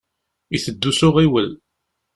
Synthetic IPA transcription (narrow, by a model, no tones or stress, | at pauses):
iθəd̪ːusʊʁiwəl